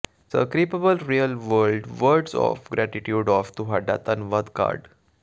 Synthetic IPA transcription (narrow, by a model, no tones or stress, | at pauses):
sə̰kɾipəbəlɾiəlʋəlɖʋəɾɖsɔ̰fɡɾæʈiʈjuːɖɔft̪uɦaɖa̰t̪ənʋəd̪ka̰ɾɖ